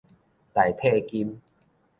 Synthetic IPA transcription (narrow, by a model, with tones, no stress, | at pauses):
t̪a˨˩jt̪ʰe˥˧ki˦m